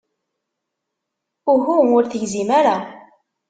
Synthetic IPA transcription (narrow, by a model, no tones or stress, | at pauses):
ʊɦuʊɾθəʝzimaɾa